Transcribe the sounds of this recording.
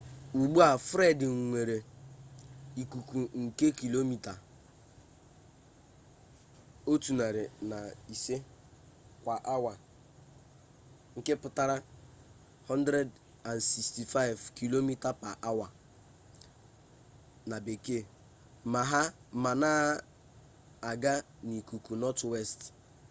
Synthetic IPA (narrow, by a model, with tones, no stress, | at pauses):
u˨ɡ͡bu˦a˨fɾe˦dɪ˨ŋ̩˨ŋʷe˨ɾe˨ | i˨ku˨ku˨ŋ̩˨ke˦ki˨lo˦mi˦ta˨ | o˦tu˨na˨ɾɪ˨na˨i˨se˦ | kʷa˨ʔa˦wa˨ | ŋ̩˨ke˦pʊ˨ta˦ɾa˦ | hɔ˦ndɾe˦d | a˨nsi˨ksti˨fa˦ɪ˨vki˨lo˦mi˦ta˨pa˨ʔa˦wa˨ | na˨be˨ke˦˨ | ma˨ɦa˦ma˨naː˦ | a˨ɡa˦ | ni˨ku˨ku˨nɔ˦twe˦st